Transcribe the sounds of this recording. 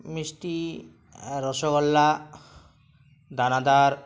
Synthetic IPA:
misʈi | ɾɔʃokɔlːa | d̪ʱanad̪aɾ

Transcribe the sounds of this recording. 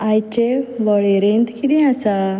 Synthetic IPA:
ajt͡ɕeʋɔɭeɾent̪kid̪ĩasa

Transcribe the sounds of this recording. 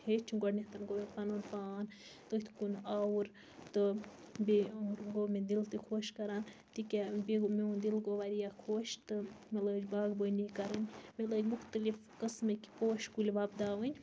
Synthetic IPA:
het͡ʃʰiɡɔɖnit̪ɐnɡomepɐnonpaːn | t̪ot̪ʰkunawuɾ | t̪ɨ | biɾɡoːmed̪ilt̪ɨkʰoːʃkɐɾaːnt̪ikʲebiɡmeund̪ilɡoʋaɾijakʰoːʃt̪ɨmɐləd͡ʒbaːɡbonikɐɾɨnʲmeləɡʲmuxt̪ɨlif | kɨsmɨki̥poːʃkulʲbaːbd̪aːʋənʲ

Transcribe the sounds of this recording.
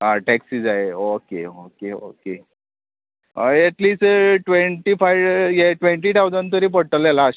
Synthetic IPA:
aʈɛksiːd͡zaeokeokeo̰ke | ɛʈliːsʈʋeɳʈiːfajʋjɛʈʋeɳʈiːʈawd͡zant̪əɾiːpəɽʈəlelaː

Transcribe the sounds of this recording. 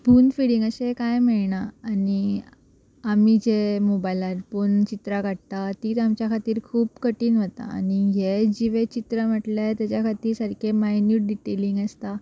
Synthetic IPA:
puːnfiɽiŋɡəɕekajmeɭɳaːni | amid͡ʑemobajlaɾpuːnt͡ɕit̪ɾakaʈ̚t̪at̪iːt̪amt͡ɕjakʰat̪iːɾkʰuːbkəʈiːnʋət̪a̰ːniɦed͡ʑiʋet͡ɕit̪ɾəm̤əʈljat̪jat͡ɕjakʰat̪iːɾsəɾkʰemajnjuːʈ̚ɖiʈeliŋɡəst̪a

